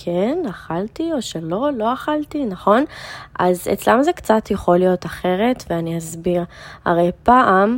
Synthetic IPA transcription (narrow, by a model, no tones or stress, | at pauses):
kʰenaχaltioʃelo̞lo̞aχaltinaχo̞nʔazḛt͡slamzekt͡satjaχo̞lijo̞taχe̞ʁe̞tveaniazbiʁa̰ʁejpaʔam